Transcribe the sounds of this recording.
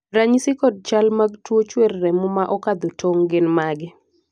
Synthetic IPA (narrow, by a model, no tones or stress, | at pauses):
ɾaɲsɪkɔd̚t͡ʃalmaɡtwot͡ʃwerːɛmʊmaʔɔkad̪otʰoŋɡɪnmaɡɪ